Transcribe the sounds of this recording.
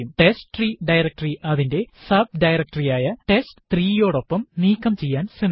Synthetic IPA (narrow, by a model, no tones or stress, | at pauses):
umʈe̞sʈriɖɐjɾɐk̚ʈɐriʔɐðinde̞sɐb̚ɖɐjrɐk̚ʈɐrijaːjɐʈe̞sʈɨ̥t̪riːjo̞ːɽo̞pːɐmniːkːɐmt͡ɕe̞jːaːnsin